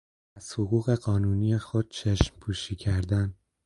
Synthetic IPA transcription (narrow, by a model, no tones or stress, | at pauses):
æz̥hoɣuːɣe̞ɢɒːnuːniːjexod̪̥̚t͡ʃʰeʃmpʰuːʃiːcʰæɾd̪æn